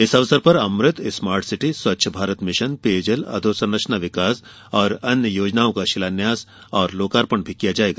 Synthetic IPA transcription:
ɪsɐʋsəɾpɐɾɐmɾɪt̪smaːɾʈsɪʈiswɐtːʃʰəbʱaːɾət̪mɪʃənpeːd͡ʒəlɐ̰d̪ʱoːsənːɐʃnaʋɪkaːs | ɔːɾɐnjəjoːd͡ʒnaːõkaʃɪlaːnjaːs | ɔːɾloːkaːɾpəɳbʱikijad͡ʒaːeːɡaː

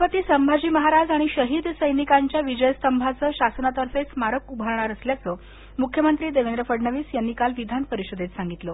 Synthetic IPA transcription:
pət̪iːsəmbʱad͡ʑiːməɦaɾad͡zaɽ̃iɕəɦiːd̪səjnikaɲt͡ɕjaʋid͡ʑəjəst̪əmbʱat͡səːɕasnat̪əɾset͡smaɾəkubʱaɾɳ̃aɾəsljat͡sə | mukʰjəmənt̪ɾiːd̪eʋend̪ɾəfəɖɳəʋiːsjanːiːkalʋid̪ʱanpəɾiɕəd̪ʱet̪saŋɡit̪lo

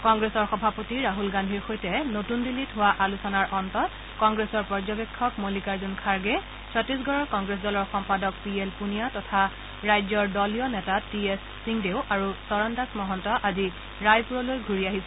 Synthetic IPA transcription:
kɔŋɡɹesɔɹxɔbʱapotiɹaɦulɡandʱiɹxojtɛnotundilitɦʊwaʔalusɔnaɹʔɔntɔt | kɔŋɡɹesɔɹpɔɹzɔbekʰːɔkmolikaɹzunkʰaɹɡɛ | sʰɔtːis̬ɡɔɹɔɹkɔŋɡɹes̬dɔlɔɹxɔmpadɔk̚pielpunijatɔtʰa | ɹajzɔɹdɔlijɔnɛtatiesːiŋdeʊʔaɹusɔɹɔndasmɔɦɔntɔʔazi | ɹajpuɹɔlojɡʱuɹiaɦisɛ

